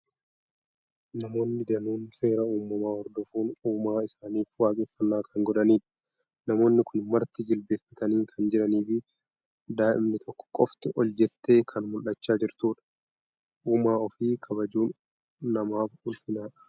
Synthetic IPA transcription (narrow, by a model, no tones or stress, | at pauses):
nɐmo̞ːnːɪd̪ɐnuːnse̞ːɾɐuːmːɐmaːhɔɾd̪ɔfuːnuːmaːɪsaːniːfwaːkʼeːfːɐnːaːkʰɐŋɡɔd̪ɐniːᶑɐ̥ | nɐmo̞ːnːɪkʊnmɐɾt̪ɪd͡ʒɪlbe̞ːfːɐt̪ɐniːŋkʰɐnd͡ʒɪɾɐniːfɪ | d̪aːʔɪ̰mnɪt̪ʰɔkːɔ̥kʼɔft̪ɪʔɔld͡ʒɛt̪ːe̞ːkʰɐnmʊlɐt͡ʃːaːd͡ʒɪɾt̪uːᶑɐ̥ | ʔuːmaːɔfiːkʰɐbɐd͡ʒuːnː | ɐmaːfhʊlfɪnaːᶑɐ̥